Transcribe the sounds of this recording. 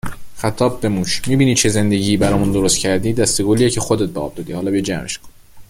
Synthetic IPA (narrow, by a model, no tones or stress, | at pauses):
xæt̪ʰɒːbːe̞muːʃmiːbiːnid̪̚t͡ʃʰe̞ze̞nd̪e̞ɟiːbæɾɒːmund̪o̞ɾost̪cʰæɾd̪iːd̪æst̪e̞ɡolijecʰexod̪et̪̚beɒ̰ːb̚d̪ɔːd̪ihɒːlɒbejd͡ʒæmʔeʃkʰo̥n